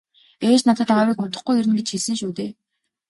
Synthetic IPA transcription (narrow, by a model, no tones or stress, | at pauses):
eːt͡ɕnat̪ə̆t̪awiːkʊt̪ə̆χɡujiɾɘ̆nɡet͡ɕxeɮsɘ̆nʃuːt̪eː